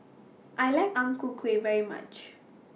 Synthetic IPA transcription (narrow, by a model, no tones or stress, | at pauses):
ʔajlaɪkãŋkukʰwevɛɹima̰t͡ʃ